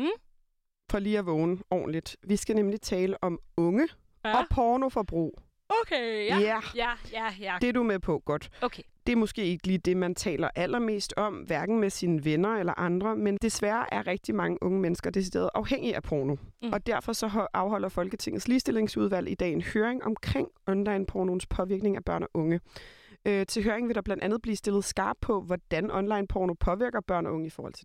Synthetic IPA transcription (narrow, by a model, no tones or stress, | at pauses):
fɒliːæʋɔːnəɒ̰ːnlid̥ʋisɡ̥ænemlit͡sʰɛːləʔɒ̽mɔ̽ŋə | ɒ̽pʰɒːno̝fɒb̥ʁṵː | okejæ | d̥e̝ɐd̥umepʰɔ̽ɡ̥ɒ̽d̥ʰd̥e̝æɐmosɡ̥e̝̰ːe̝ɡ̥əliːd̥e̝mænt͡sʰɛ̰ːlɐʔæl̰ɐme̝̰ːsd̥ɒ̽mʋæɐɡ̥n̩mesiːnəʋenɐelɐʔɑ̈nd̥ʁɐmend̥e̝sʋæːɐʔæɐʁɛɡ̥̚d̥imɑ̈ŋəʔɔ̽ŋəmenəsɡ̥ɐd̥e̝sid̥e̝̰ːɐð̞̩ˠʔɑ̈ʊheŋ̰iæpʰoːno̝ɒ̽d̥æɐfɒ̽sɒ̽ɦʔɑ̈ʊɦɒ̽l̰ɐfɒ̽lɡ̥ət͡sʰe̝ŋ̰ð̩ˠsliːsd̥e̝le̝ŋsuð̞ˠʋæl̰id̥ɛ̰ːe̝nhøːɐeŋɒ̽mkʰʁeŋ̰ɒ̽nlɑ̈ɪnpʰono̝n̩spʰɒ̽ʋiɐɡ̥ne̝ŋæb̥ɶɐ̰nɒʔɔ̽ŋə | øt͡sʰe̝lɦøːɐeŋʋe̝ɾ̥ɑ̈b̥lænd̥ænð̞̩ˠb̥lḭːsd̥e̝lð̩ˠsɡ̥ɑ̈ːb̥̚pʰɒ̽ʋɒd̥ænɒ̽nlɑ̈ɪnpʰɒːno̝pʰɒ̽ʋiɐɡ̥ɐb̥ɶɐ̰nɒʔɔ̽ŋəifɒːhɒ̽l̰t͡sʰe̝d